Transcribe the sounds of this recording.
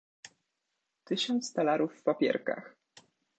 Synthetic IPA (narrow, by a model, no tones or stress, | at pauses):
t̪ɘɕɔnt̪st̪alaɾufːpapʲjɛ̰ɾka̰x